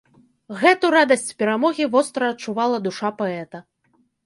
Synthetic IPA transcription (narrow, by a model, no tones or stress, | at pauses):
ɣɛt̪uɾad̪ɐsʲt͡sʲpʲɛɾamɔɣʲivɔst̪ɾɐːt̪̚t͡ʂuvalˠɐd̪uʂapaɛt̪ɐ